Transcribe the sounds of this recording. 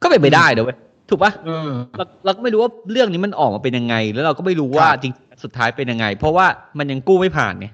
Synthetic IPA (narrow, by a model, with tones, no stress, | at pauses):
kɔː˥˩pe˧npa˧jdaː˥˩jdɯ˨˦˩a˦˩ | t̪ʰuː˨˩k̚pa˦hʔɯː˧ɾa˧wkɾa˧wkɔː˥˩m˥˩ɾu˦˥waː˥˩ɾɯ˥˩əŋniː˦˥ma˧nʔɔː˨˩k̚maː˧pe˧nja˧ŋːa˧jlɛ˦˥ɾa˧wkɔː˥˩ma˥˩jɾuː˦˥waː˥˩t͡ɕi˧ŋt͡ɕi˧ŋa˧nsu˨˩t̪ʰːaː˦˥jpe˧nja˧ŋːa˧jpʰɔ˦˥waː˥˩ma˧nja˧ŋkuː˥˩ma˥˩jpʰa̰ː˨˩nːi˦˥˩